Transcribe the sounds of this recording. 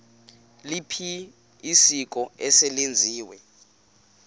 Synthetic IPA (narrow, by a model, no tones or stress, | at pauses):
lipʰiː | sik̬ʼɔɛsɛlend͡zʱiːwɛ